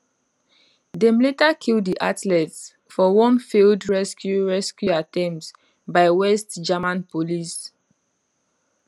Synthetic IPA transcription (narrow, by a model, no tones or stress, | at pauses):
dɛ̃mletakʰildiʔatlɛts | fɔwɔ̃nfildɹɛskjuɹɛskjuatɛ̃ms | baɪwɛstd͡ʒamãnpolis